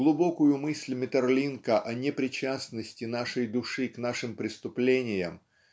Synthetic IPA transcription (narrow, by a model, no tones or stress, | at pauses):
ɡlˠʊbokʊjʊmɨsʲlʲmʲɪt̪ərlʲinkəʔɐnʲɪpɾʲɪt͡ɕasnəsʲtʲɪnaʂəjd̪ʊʂɨknaʂɨmpɾʲɪst̪ʊplʲenʲɪjə̰m